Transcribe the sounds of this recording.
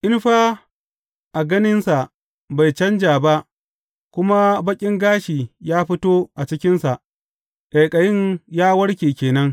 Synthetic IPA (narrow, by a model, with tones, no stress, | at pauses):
ʔɪ˦nɸaː˦ | ʔa˨ɡɐ˦nɪ˦nsa˨ʔ | ba˨jt͡ʃɐ˦nd͡ʒaː˨ba˦ʔ | kʷʊ˦ma˦bɐ˦kʲʼɪ˦ŋɡaː˦ʃiː˨jaː˦ɸɪ˦toː˦ʔa˨t͡ʃɪ˦kʲɪ˦nsa˨ʔ | ʔɐ˨jkʼɐ˨jɪ˦ɲjaː˦wɐ˦ɽkʲeː˨kʲeː˨nɐ˦ŋ